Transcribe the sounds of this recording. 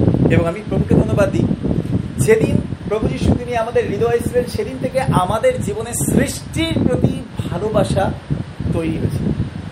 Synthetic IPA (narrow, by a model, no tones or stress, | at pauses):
eboŋamipɾomukʰed̪ʱonːobad̪ːi | d͡ʑed̪inpɾobod͡ʑiʃut̪inieamad̪eɾːid̪oajsʰilenʃed̪int̪ʰekeʔamad̪eɾd͡ʑibonesɾiʃʈiɾpɾot̪ibʱalobaʃat̪ojɾiɦoet͡ɕʰil